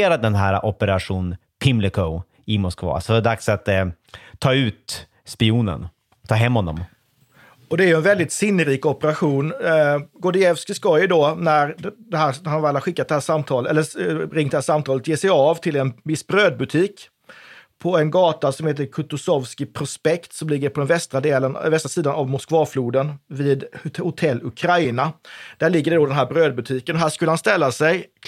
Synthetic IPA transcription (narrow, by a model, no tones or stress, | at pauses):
eːɾad̪d̪ɛnɦæːɾa̰ʔɔpəɾaɧuːn | p̪ʰɪmlɪkʰo | ɪmɔskvɑ̰ːsɔd̪ɛd̪aksat̪ | t̪ʰːɑːʉ̟ːt̪ | spɪuːnə̰n | t̪ʰːɑːɦɛmːhɔnːɔ̰m | ɔd̪ɛæɾjɵɛnvɛld̪ɪt̪sɪnːəɾiːkɔpəɾaɧuːnɡɔɖ̪ɪɛvskɪskɑjd̪ɔnæɾd̪ɛhæːhanvɾalaɾɧɪkːat̪̚d̪ɛhæːʂamːt̪ʰɑːləɛlːəɾɪŋt̪d̪ɛhæːʂamt̪ʰɑːlət̪jeːsɛjɑvt̪ʰɪlɛnvɪsbɾøːd̪̚bɵt̪ʰiːk | pʰɔɛnɡɑːt̪asɔmheːt̪̬əɾkʰɵt̪ʊsɔvskɪpʰɾʊspɛkt̪sɔmlɪɡːəɾpʰɔd̪ɛnvɛst̪ɾad̪eːlənvɛst̪ɾasiːd̪anavmʊskvɑːfluːd̪ənviːd̪hʊt̪ʰɛlːɵkʰɾajnad̪̥æɭɪɡːəɖɛɖod̪ɛnɦæːɾbɾøːd̪̚bɵt̪ʰiːkənɔɦæːʂkɵləhanst̪ɛlːasɛj